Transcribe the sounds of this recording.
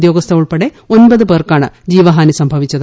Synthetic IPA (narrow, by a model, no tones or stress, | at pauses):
d̪jo̞ːɡɐst̪ʰɐuɭpɐɽe | onbɐðɨpeːrkaːɳɨ̰d͡ʑiːʋɐɦaːnisɐmbʱɐʋit͡ɕːɐð